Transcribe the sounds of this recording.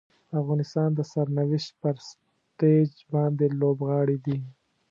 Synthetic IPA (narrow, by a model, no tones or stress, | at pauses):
afɣɑnɪst̪ɑːnd̪əsaɾnawɪʃt̪̚pəɾs | t̪ed͡ʒbɑnd̪elobɣɑɽid̪i